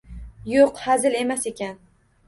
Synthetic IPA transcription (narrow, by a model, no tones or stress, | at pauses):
joqhazɪle̞masekʲʰan